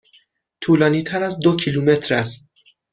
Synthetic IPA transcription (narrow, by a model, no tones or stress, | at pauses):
t̪ʰuːlɒːniːt̪ʰæɾæzd̪ocʰiluːme̞t̪ʰɾæst̪̚